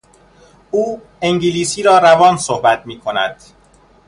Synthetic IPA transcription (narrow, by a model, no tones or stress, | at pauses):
uː | eŋɟiliːsiːɾɒːɾævɒːnsohbæt̪̚ʰmiːkʰo̞næ̰d̪̥